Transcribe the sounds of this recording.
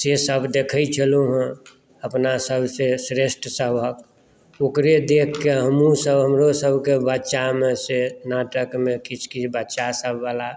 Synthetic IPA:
sesəbd̪ekʰəit͡ʃʰəloɦɛ̃ | əpnasəbʱsesɾesʈsəbʱək | okɾed̪ekʰkeɦəmũsəbɦəmɾosəbʱkebətːʃamẽsenaʈəkmẽkit͡ʃʰkibətːʃasəbːala

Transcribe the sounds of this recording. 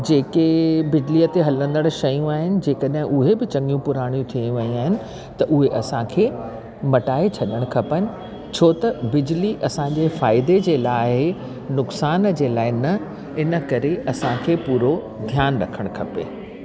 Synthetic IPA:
d͡ʑeːkebɪd͡ʑlijət̪eɦɐlə̃nd̪əɽ̃ʃɐjũaːɦɪnɪ̆d͡ʑeːkəɗɦɪ̃ʔʊɦebɪt͡ɕɐ̃ŋɡijũpʊɾaːɽ̃jũt̪ʰiə̃jũʋɐjĩaːɦɪnɪ̆ | t̪ɐʔʊɦeʔɐsãkʰeː | mɐʈaːet͡ɕʰɐɗəɽ̃kʰɐpənɪ̆ | t͡ɕʰoːt̪ɐbɪd͡ʑliʔɐsãɲd͡ʑefaːɪd̪ed͡ʑeːlaːɦɪ | nʊksaːnd͡ʑeːlaːɪnɐ | ɪnə̆kɐɾeʔɐsãkʰeːpuːɾo | d̪ʱjaːnɾɐkʰəɽ̃kʰɐpḛː

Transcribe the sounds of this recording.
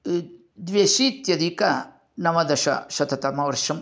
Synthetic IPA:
d̪ʋeːʃiːt̪jɐd̪ikɐ | nɐmɐd̪ɐʃɐ̰ʃɐt̪ʰɐt̪ɐmɐʋɐɾʃɐm

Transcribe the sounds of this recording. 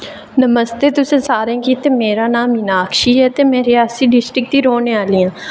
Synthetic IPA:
nəməst̪eːt̪ʊsẽsaːɾẽːkit̪emeːɾaːnaːmɪnaːkʃiːɦɛt̪emɛ̃ɾɪjaːsiːɖɪsʈɾɪk̚t̪iːɾoːneaːliːãː

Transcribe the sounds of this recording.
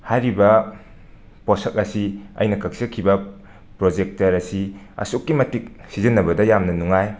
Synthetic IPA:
hajɾibɐ | pɔsɐk̚ɐsiɐ̰jnɐkʰɐk̚sɐkʰibɐ | pɾod͡ʒek̚tɐɾɐsi | ɐ̰sukːimɐtik̚sizɐnːɐbɐdɐjamnɐnuŋaj

